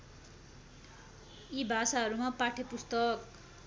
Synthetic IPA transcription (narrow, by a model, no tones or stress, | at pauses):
ibʱasaɦʌɾumapaʈʰepust̪ʌk